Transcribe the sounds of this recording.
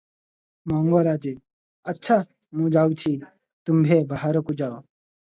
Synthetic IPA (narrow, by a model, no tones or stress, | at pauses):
maːŋɡoːɾaːd͡ʒeː | ɐtːʃʰaː | mũːd͡ʒaːut͡ʃʰi | t̪umbʱeːbaɦaɾokud͡ʒaːo